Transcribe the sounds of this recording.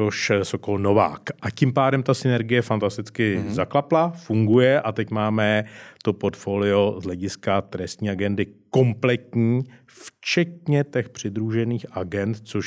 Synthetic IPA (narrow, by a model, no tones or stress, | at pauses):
oʃsokolno̞va̰ːkʔacɪmpaːdɛmt̪asɪnɛɾɡɪjɛfant̪ast̪ɪt͡skɪzaklaplafuŋɡujɛʔat̪ɛcmaːmɛt̪o̞po̞ɾt̪fo̞ːlɪo̞zɦlɛɟɪskat̪ɾɛst̪ɲiːaɡɛndɪko̞mplɛt̪ɲiː | ft͡ʃɛt̪ɲɛt̪ɛxpr̝̥ɪd̪ɾuʒɛniːxʔaɡɛnt̪t͡soʃ